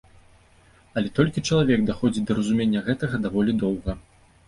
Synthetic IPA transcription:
ɐlʲɛt̪ɔlʲkʲit͡ʂɐlˠavʲɛɡd̪axɔd͡zʲid̪ɐɾɐzumʲenʲːɐɣɛt̪ɐɣɐd̪avɔlʲid̪ɔwɣɐ

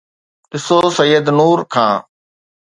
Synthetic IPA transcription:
ɗɪsosəjːəd̪nuːɾkʰã̰ː

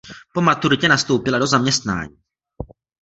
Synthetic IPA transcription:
po̞mat̪uɾɪcɛnast̪o̞wpɪlado̞zamɲɛst̪na̰ːɲiː

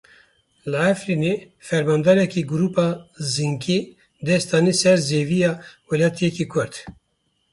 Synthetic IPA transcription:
ləʕæfɾine | fɛɾmɑːnd̪ɑːɾɛkiɡuɾuːpɑːziŋkʰi | d̪ɛst̪ɑːnisɛɾzeviːjɑːwɛlɑːt̪ʰijɛkikʰʊɾt̪

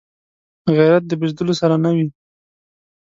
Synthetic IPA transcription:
ɣajɾat̪̚d̪əbɪʒd̪əlosaɾanawi

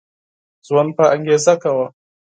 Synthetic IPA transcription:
zwanɸaʔaŋɡʲezakawa

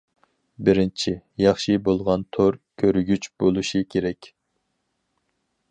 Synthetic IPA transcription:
bɪɾɪnt͡ʃʰijɑχʃibolˠʁɑnt̪ʰoɾkʲʰøɾɡʲyt͡ʃbolˠuʃikʲʰeɾɛkʲ

